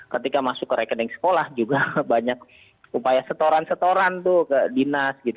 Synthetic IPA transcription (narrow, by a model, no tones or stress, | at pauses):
kət̪ikamasʊkːəɾekədɛŋsə̥kolahd͡ʒuɡabaɲak̚ | upajasət̪oɾansət̪oɾant̪ʊhkədinasɡit̪u